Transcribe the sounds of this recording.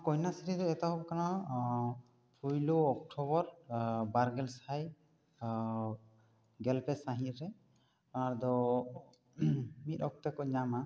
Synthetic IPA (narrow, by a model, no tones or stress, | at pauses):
kɔjnasiɾid̪ɔɛt̪aɦɔbkana | pʰujluɔk̚ʈʰɔbɔɾbaɾɡɛlsaj | ɡɛlpɛsaɦĩɾɛ | aɾd̪ɔ | mit̪̚ɔk̚t̪ɛkɔɲama